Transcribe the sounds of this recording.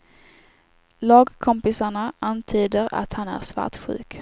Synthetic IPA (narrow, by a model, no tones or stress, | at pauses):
lɑːɡkʰɔmpɪsaɳaʔant̪ʰyːd̪əɾa̰t̪hanæ̰ɾsva̰ʈɧʉ̟̰ːk